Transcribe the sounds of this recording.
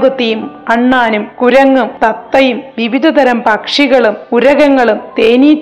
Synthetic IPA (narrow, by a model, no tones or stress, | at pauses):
ɡɐt̪ːijumɐɳːaːnumkuɾɐŋːumt̪ɐt̪ːɐjumʋiʋid̪ʱɐt̪ɐɾɐmpɐkʂiɣɐɭumuɾɐɣɐŋːɐɭumt̪eːniːt